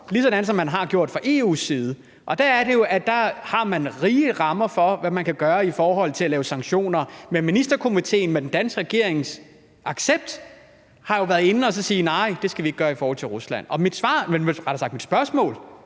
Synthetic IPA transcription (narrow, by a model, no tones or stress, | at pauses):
lisɒ̽næn̩sɒ̽mːænɦɑ̈ɡ̥jo̝ɐ̰d̥fʁɑ̈ʔe̝ːṵsiːðˠə | ʔɒ̽d̥ææɐɾe̝jo̝ʔæd̥ɑ̈hɑ̈mænʁiːəʁɑ̈mɐfɒ̽ʋæmænkʰæɡ̥ɶːɐifɒːɦɒ̽l̰t͡sʰe̝ælɛːʊsɑ̈ŋɡ̥ɕo̝̰ːnɐmeminisd̥ɐkʰo̝mit͡sʰe̝̰ːn̩med̥end̥ænsɡ̥ʁaɡ̥e̝ɐ̰eŋs | ʔɑ̈ɡ̥seb̥̚d̥ | hɑ̈jo̝ʋæːɐð̩ˠe̝nn̩ɒ̽sɒ̽siːnɑ̈ɪ̰d̥e̝sɡ̥æʋie̝ɡ̥̚ɡɶːɐifɒːhɒ̽l̰t͡sʰe̝ʁuslæn̰ɒ̽mid̥sʋɑ̰̈ːmeneʁɑɾsɑ̈ɡ̥̚d̥mid̥sb̥ɶɐsmɔ̰̽ːl